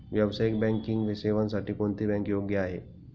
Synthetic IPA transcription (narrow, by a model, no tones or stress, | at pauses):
ʋjɐbsaːɪkbɛ̃ːŋkɪ̃ŋɡʋeseʋənsɐʈipõnt̪ibɛ̃ːŋkjoːɡjaɦeː